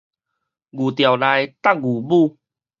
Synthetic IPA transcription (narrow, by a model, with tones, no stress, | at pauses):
ɡu˨˩t̪ja˨˩wla˧jt̪a˥˨k̚ɡu˨˩bu˥˧